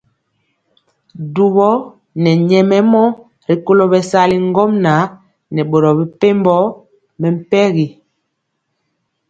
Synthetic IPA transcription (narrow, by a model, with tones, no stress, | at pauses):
du˨βɔ˦ | nɛ˨ɲɛ˨mɛ˦mɔ˦ | ɾi˨ko˦lo˨bɛ˨sa˦li˦ŋ˦ɡɔ˦mna˨˦ | nɛ˨ɓo˨ɾɔ˨bi˨pe˦mbɔ˦ | mɛ˨m̩˦pɛ˦ɣi˨